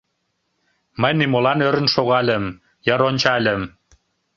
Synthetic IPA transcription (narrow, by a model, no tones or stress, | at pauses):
məjnimolɑnøɾə̆nʃoɣɑlʲə̆m | jɑɾonʲt͡ɕɑlʲə̆m